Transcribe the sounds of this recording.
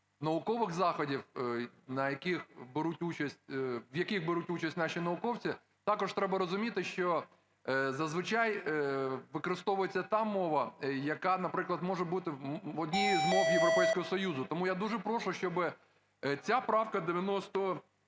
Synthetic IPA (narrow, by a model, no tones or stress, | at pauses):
nɐʋʊkɔʋɪɣzɑxɔdʲiwnɐjɐkixbɪɾutʲut͡ʃɐsʲt̚ʲʋjɐkiɣbɪɾutʲut͡ʃɐsʲtʲnɑʃinɐʊkɔwt͡sʲi | t̪ɑkɔʒt̪ɾɛbɐɾɔzʊmʲit̪ɪʃt͡ʃɔ | zɐzʋɪt͡ʃaj | ʋɪkɔɾɪst̪ɔʋʊjet͡sʲːɐt̪ɑmɔʋɐjɐkɑnɐpɾɪklˠɐd̪mɔʒɛbut̪ɪɔdʲnʲijizmɔwjeʋɾɔpɛjsʲkɔɦɔsɔjuzʊt̪ɔmujad̪uʒɛpɾɔʃʊʃt͡ʃɔbɪ | t͡sʲapɾɑwkɐd̪ɪʋʲjɐnɔst̪ɔ